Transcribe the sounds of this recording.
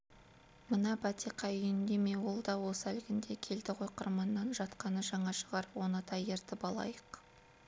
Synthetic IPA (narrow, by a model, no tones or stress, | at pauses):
mənɑbɑt̪iqɑjʏjɪnd̪e̞me̞wo̞lˠd̪ɑwo̞sælɡʲɪnd̪e̞kʲʰe̞ld̪ɪqʰo̞jqəɾmɑnːɑnʒɑt̪qɑnəʒɑɴɑʃəʁɑɾəpwo̞nət̪ʰɑje̞ɾt̪ɪpɑlˠɑ̰jəq